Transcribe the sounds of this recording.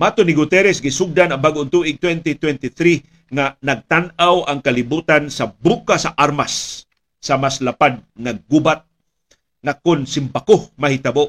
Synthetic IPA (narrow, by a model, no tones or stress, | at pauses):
mat̪onɪɡʊt̪ɛɾɛsɡɪsʊɡ̚d̪anɐŋbaɡʊnt̪uʔɪɡ̚t̪wɛnt̪it̪wɛnt̪ɪθɾi | ŋanɐɡ̚t̪anawʔaŋkɐlɪbuːt̪ansɐbukasɐʔaɾmasː | ɐmaslapad̪̚ŋaɡːubat̪̚ | ŋakʊnsɪmbakomɐhɪt̪ɐboʔ